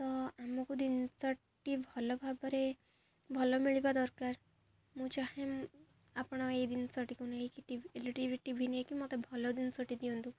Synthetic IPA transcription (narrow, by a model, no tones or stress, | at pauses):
t̪ɔamɔkud̪insɔ | ʈibʱɔlɔbʱabɔɾe | bʱɔlɔmiɭibad̪ɔɾkaɾ | mũt͡ʃahe | apɽ̃ɔejd̪insɔʈikunekiʈieliʈiɾiʈibʱiniekimɔt̪ebʱɔlɔd̪insɔʈid̪iɔnt̪u